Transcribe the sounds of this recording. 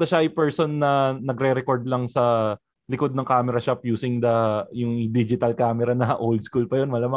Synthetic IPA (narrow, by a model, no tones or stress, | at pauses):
d̪ɐʃaʔɐjpɛɹsonːɐnɐɡɾɛɾɛkoɹd̪̚lɐŋsɐ | lɪko̞d̪̚nɐŋkaːmɛɾɐʃapjuːsɪŋd̪ɐjʊŋd̪id͡ʒɪt̪ɐlkaːmɛɾɐnɐʔowld̪̚skulpɐjonmɐlamɐ